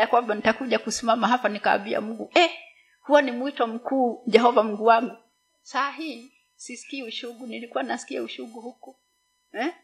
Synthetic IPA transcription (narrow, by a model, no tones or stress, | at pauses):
akwambanitakuʄakusimamaɦapanika̰ːmbia̰muɡuʔɛ | huwanimuitɔm̩kuːʄɛɦɔvam̩ɡuwaŋɡu | saaɦiː | sisi̥kiːuʃuɡunilikuwaninasi̥kiɛuʃuɡuhuku | ɛ